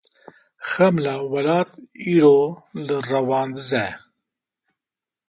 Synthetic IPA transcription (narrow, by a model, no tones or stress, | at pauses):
xɐmlawɐlaːt̪iɾoləɾɐwaːnd̪zɛ